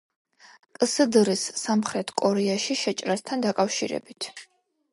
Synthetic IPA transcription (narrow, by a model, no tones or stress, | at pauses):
kʼsəd̪ɾisːamχɾɛt̪ʰkʼɔɾɛaʃiʃɛt͡ʃʼɾast̪ʰand̪akʼafʃḭɾɛ̰bit̪ʰ